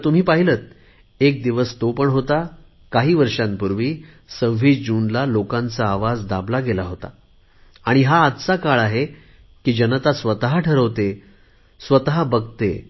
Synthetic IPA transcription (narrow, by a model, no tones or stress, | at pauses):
t̪um̤iːpaɦilət̪̚ | ek̚d̪iʋəst̪opəɳɦot̪a | kaɦiːʋəɾʂãnpuɾʋiː | səʋʋiːd͡ʑuːnlalokãnt͡saːʋad͡zd̪ablaɡelaɦot̪a̰ | aɽ̃iɦaːd̪t͡sakaɭaɦe | kiːd͡ʑənət̪asʋət̪ɦaʈʰəɾəʋt̪e | sʋət̪ɦabəɡt̪ḛ